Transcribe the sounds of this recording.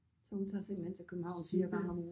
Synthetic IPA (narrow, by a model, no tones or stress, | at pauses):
sɒ̽hunt͡sʰɑ̰̈seŋ̰mhent͡sʰe̝lkʰøb̥m̩hɑ̈ʊ̰nfiːɐɡ̥ɑ̰ŋɒmo